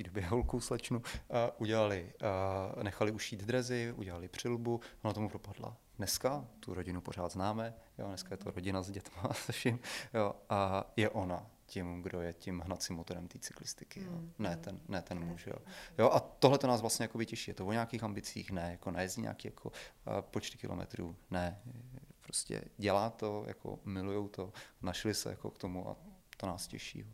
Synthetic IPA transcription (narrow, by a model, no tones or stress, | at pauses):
t̪iːdobjɛɦolkowslɛt͡ʃnuəʔuɟɛlalɪ | nɛxalɪʔuʃiːd̪d̪ɾɛzɪʔṵɟɛlalɪpr̝̥ɪlbuʔonat̪omupɾopadla̰dnɛskat̪uɾoɟɪnupo̞ɾ̝aːd̪znaːmɛjo̰nɛskajɛt̪oɾoɟɪnazɟɛt̪masɛʃɪmjoajɛʔo̞na | cɪmɡdojɛcɪmɦnat̪t͡sɪmːot̪o̞ɾɛmt̪iːt͡sɪ̥klɪst̪ɪ̥kɪjonɛt̪ɛnːɛt̪ɛnmuʃjo̰joʔat̪ːoɦlɛt̪onaːsvlast̪ɲɛjakobɪcɛʃiːjɛt̪ovoɲaːkiːxambɪt͡siːxnɛjakonajɛzɟiɲʔa̰ːkiːjakʰo̰pot͡ʃt̪ɪ̥kɪ̰lʔomɛ̰t̪ɾṵːnɛ | pɾoscɛ̰ɟɛlaːt̪o̞ja̰kʰo̰mɪlujowt̪o̞naʃlɪsɛ̰ja̰ko̞̰kt̪o̞muʔa̰t̪onaːscɛ̰ʃḭːjo